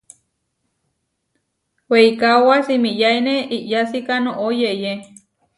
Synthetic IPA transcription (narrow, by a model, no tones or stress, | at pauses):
weikawasimiʔjaineiʔjasikanoʔojeje